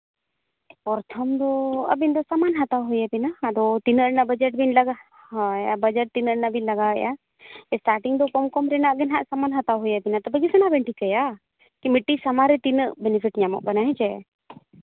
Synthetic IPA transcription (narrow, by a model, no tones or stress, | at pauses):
pɔɾt̪ʰɔmd̪ɔə̰bind̪ɔsamanɦat̪awɦɔjabinaːd̪ɔt̪inəɾnabəd͡ʒɛʈ̚binlaɡa | ɦjabəd͡ʒɛʈ̚t̪inəɾnabinlaɡaɦəja | ɛsʈaɾʈiŋd̪ɔkɔmkɔmɾɛnaʔɡɛnɦaʔsamanɦat̪awɦɔjabinat̪ɔbəɡisɛnabɛɳʈikəja | kimiʈːisamaɾɛt̪inəʔbɛnipʰiʈɲamɔ̰ʔkanaɦɛd͡ʒɛ